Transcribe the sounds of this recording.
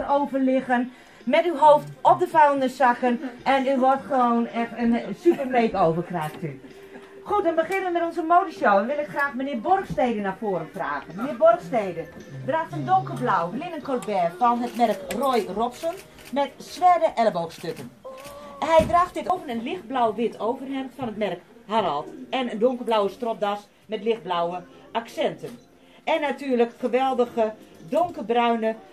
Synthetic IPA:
roːvərlɪɣən | mɛtywɦoːftɔp̚dəfaəndəsakənʔɛnyʋɔrtχəʋoːnɛxtənsypərekoːvərkraːxtʰy | xut̚dɔnbəχɪnəʋəmɛtɔnzəmoːdəʃowənʋɪlˠɪkxraːxmənɪːəbɔrxsteːdənafoːɾənfra̰ːɣənmənɪːbɔrxstejdədraːxtəndoŋkəblawɡlɪnənkʰɔrt̚bɛrfɔnɦətmɛrkrojrɔpsən | mɛtsʋɛrdəʔɛləbowxstøkən | hɛjdraːxt̚dɪtowvənənlɪxt̚blawʋɪtʰowvərhɛmfɔnɦətmɛrkhanalˠtɛnəndʊŋkərblawəstrɔp̚das | mɛtlɪxt̚blawəʔaksɛntən | ɛnːatyːrləkxəʋɛlˠdəɣədʊŋkəbrœɥnə

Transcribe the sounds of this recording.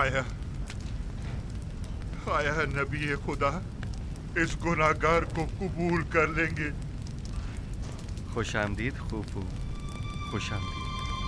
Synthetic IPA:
aːjaː | aːjaːnɐbiexʊd̪aː | ɪsɡʊnaːɡaːɾkokʊbuːlkɐɾlẽːŋɡeː | xoːʃaːmd̪iːd̪xuːbɦoː | xoːʃaːmd̪iːd̪

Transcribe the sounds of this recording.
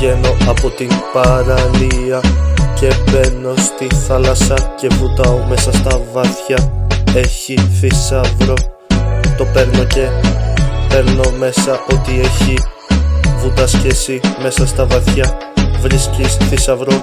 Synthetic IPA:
e̞no̞ʔɐpo̞t̪inpɐɾɐliɐce̞pe̞ɾno̞st̪inθɐlɐsɐce̞vut̪ɐome̞sɐst̪ɐvɐθçɐe̞çiθisɐvɾo̞ | t̪o̞pe̞ɾno̞ce̞ | pe̞ɾno̞me̞sɐʔo̞t̪ie̞çi | vut̪ɐsçesime̞sɐst̪ɐvɐθçɐ | vɾiscisθisɐvɾo̞

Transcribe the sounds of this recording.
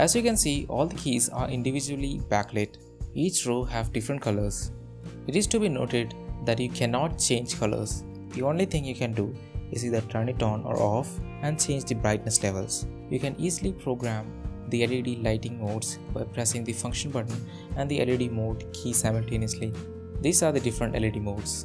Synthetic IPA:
ʔæzjuːkɛ̃nsiːʔɔ̰ːld̪əkʰiːza̰ːɾʔɪ̃ɳɖiʋɪd͡ʒuəlibækleʈ | iːt͡ʃɾuːhæʋɖɪfɾə̃ɳʈ̚kʰʌləɾz̥ | ɪʈɪzʈubino̰ːʈɪɖd̪æʈjuːkʰɛnɔːʈ̚t͡ʃẽːnd͡ʒkʰʌlə̰ɾz | d̪iõːnlit̪ʰɪ̃ŋjukɛ̃nɖu | ɪziːd̪əɾʈʰənɪʈɔ̃ːnɔ̰ːɾʔɔːfæ̃ɳɖt͡ʃẽːnd͡ʒd̪ibɾaɪʈ̚nəslɛʋə̰lsjuːkɛ̃niːzilipɾoːɡɾæ̃md̪iɛliɖilaɪʈɪ̃ŋmoːɖsbaɪpɾɛsɪ̃ŋd̪ifʌ̃ŋkʃə̃nbʌʈə̃n̩ | æ̃ɳɖd̪iɛ̰liɖimoːɖkʰiːsaɪməlʈẽːniəsli | d̪iːsaːɾd̪iɖɪfɾə̃ɳʈɛ̰liɖimoːɖs

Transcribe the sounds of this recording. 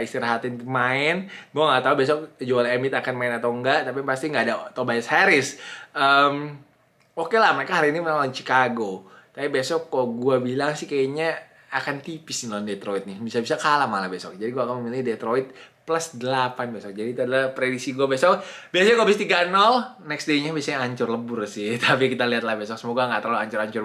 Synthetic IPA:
ist̪iɾaɦat̪inmaɪnɡuaŋaʔt̪aubes̬ɔk̚d͡ʒoalemɪt̪akanmaɪnat̪awŋɡaʔt̪ap̬ipast̪iŋɡaːdat̪aubajashaɾɪsəm | okelahməɾekaɦaɾiinimənalat͡ʃi̥kaɡo | t̪apibesɔkːɔɡuabilaŋsɪhkaaɲa | akant̪ipɪsiŋɔndet̪ɾoit̪̚nɪbisabisakalahmalabesɔk̚d͡ʒadiɡuakanməmilɪhdet̪ɾoɪt̪̚plasdəlapanbesɔk̚d͡ʒadiːt̪uadalahpɾedisiɡuabesɔk̚ | biasaɲakobist̪iɡanɔl | nɛksdeɲabiasaɲaaɲt͡ʃʊrləbʊrsɪht̪ʰapikit̪aliat̪lahbesɔksəmoɡaŋɡat̪ɾluaɲt͡ʃʊɾaɲt͡ʃʊr

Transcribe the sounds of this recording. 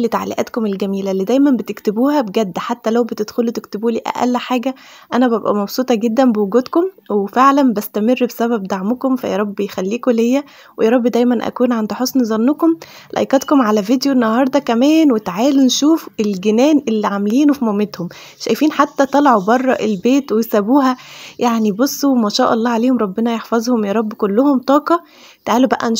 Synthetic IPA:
lit̪aʕlḭʔæ̰t̪komelɡæmiːlæliːd̪æjmænbet̪ekt̪ebuːhæbeɡæd̪ːæħat̪ːælæwbet̪ed̪̥xolut̪ekt̪ebuːliːʔæ̰ʔæ̰lːħaːɡæ | ʔænæbæbʔæ̰mɑbsˤuːt̪ˤɑɡed̪ːæmbewoɡuːd̪kom | wefeʕlænbæst̪æmerːbsæbæbd̪aʕmokomfæ̰jɑ̰ɾˤɑbːejxælːiːkolejːæ | wejɑɾˤɑbːd̪æjmænʔæ̰kuːnʕand̪ħosˤnizˤɑnːokom | lʔæ̰jkæt̪komʕalævid̪joʔnːɑhɑɾˤd̪ˤɑkæmæːnwet̪ʕaːlunʃuːfelɡenæːnʔelːiʕameliːnufimomet̪hom | ʃæjfiːnħat̪ːæt̪ˤɑlʕubɑrˤːɑʔelbeːt̪wejsæbuːɦæjaʕnibosˤːomæʃæːʔɑlˤːɑːʕaleːhomɾˤɑbːenɑjeħfɑzˤhomjɑːɾˤɑbːkolːohomt̪ˤɑːqɑ | t̪ʕaːlubæʔæ̰n

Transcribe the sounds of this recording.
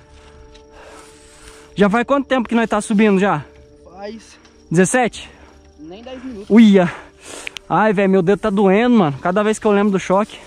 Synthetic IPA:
ʒafajkwɐ̃t̪ʊt̪ẽmp̬ʊkɪnõj̃st̪asubĩnʊʒa | d͡ʒɪzesɛt͡ʃɪ̥ | nẽj̪̃ɛziuiɐ | ajvɛjʊmewd̪ewt̪ad̪uẽd̪ʊmɐ̃nʊkad̪ɐvejskɪewlẽbɾʊd̪ʊʃɔkɪ̥

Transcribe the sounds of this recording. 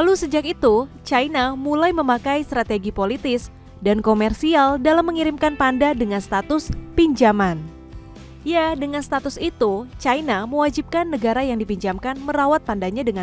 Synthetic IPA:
lalusəd͡ʒakit̪ut͡ʃainamulajməmakajst̪ɾat̪eɡipolit̪ɪs | dankomɛrsialdalamːəŋiɾimkanpandadəŋanst̪at̪ʊspiɲd͡ʒaman | jadəŋanst̪at̪ʊsit̪ut͡ʃajnaməwad͡ʒip̚kanːəɡaɾajaŋdipiɲd͡ʒamkanməɾawat̪̚pandaɲadəŋa

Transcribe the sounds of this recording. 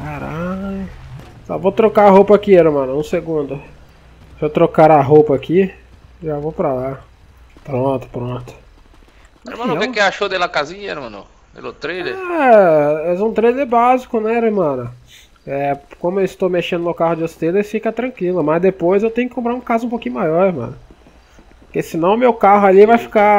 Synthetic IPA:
kaɾajʊ | sa̰vot̪ɾokaɾaɦowpɐakieɾmɐ̃nɐũseɡũd̪ʊ | sɪewt̪ɾokaɾɐɦopɐaki | ʒavowpɾala | pɾõt̪ʊ̥pɾõt̪ʊ̥ | ḛɾmɐ̃nkekeaʃod̪ɛlɐkazĩɲɐḛɾmɐ̃nʊ̰ | d̪ɛ̰lʊt̪ɾeleɾɛ | ɛzũt̪ɾejleɾbazikʊnɛɾeɾmɐ̃nʊ | ɛkõmʊewɪst̪owmeʃẽd̪ʊnʊkaɦʊd͡ʒɪost̪ed̪ɐfikɐt̪ɾɐ̃kwilʊmɐzd̪epojzewt̪ẽjʊkɪkõmpɾaɾũkazũpokĩɲʊmajɔɾeɾmɐ̰̃nʊ | ppʊkesinɐ̃w̃ʊmewkaɦʊalivajfi̥ka

